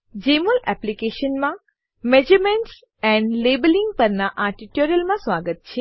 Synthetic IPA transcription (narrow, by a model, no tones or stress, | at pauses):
d͡ʒeməlɛplikeʃənmã | med͡ʒəmeɳʈs | ɛ̃ɳɖlebəliŋɡpəɾnaʔaʈiʈoɾjəlmãsʋaɡət̪̚t͡ʃʰe